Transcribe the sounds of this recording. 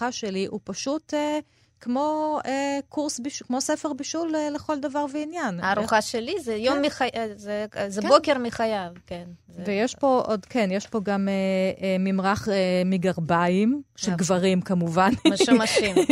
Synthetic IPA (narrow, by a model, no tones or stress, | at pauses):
aʃeliʔupaʃute | kmo̞ekuʁsbiʃkmo̞sefeʁbiʃuleleχo̞ld̪avaʁveinjanaɾuχaʃelizɛjomːiχajzezɛkbokeɾmiχajavken | vvejeʃpo̞ʔod̪kenjeʃpo̞ɡamemimʁaχemiɡaʁbaimʃelɡvaʁimkamuvanmaʃim